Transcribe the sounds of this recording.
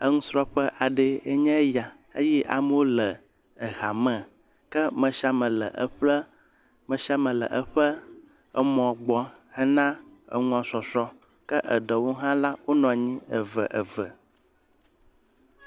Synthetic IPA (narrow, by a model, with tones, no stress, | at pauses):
ə˦ŋũ˦sɾɔ˦ɸə˦ʔa˨ɖe˦e˦ɲɛ̃˦ja˨ | ḛ˦jɛ˦ʔa̰˨m˦wo˦lə˨ | ə˨ɣa˨mɛ̃˨ | kɛ˦mə̃˨ʃa˦mə̃˨lə̰˨ʔə˨ɸlə˦ | mə̃˨ʃa˦mə̃˨lə̰˨ʔə˦ɸə˦ | ə˨mɔ̃˨ɡ͡bɔ˦ | hɛ˦nã˦ə̰˨ŋũ˦ã˨sɔ˨sɔ˦ | kə˦ʔə˨ɖə˨wo˦ɦã˦la˦wo˦nɔ̃˨ɲĩ˦ə˨və̰˨ʔə˨və˨